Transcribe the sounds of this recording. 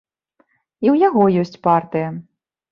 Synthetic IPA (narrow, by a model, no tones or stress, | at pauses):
iwjaɣɔjɔsʲt͡sʲpart̪ɨjɐ